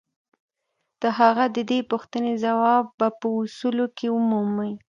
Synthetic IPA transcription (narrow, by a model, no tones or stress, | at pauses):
d̪̥əɦaɣad̪əd̪epuxt̪ənezawɑbːapəʊsulokʰeʊmuməj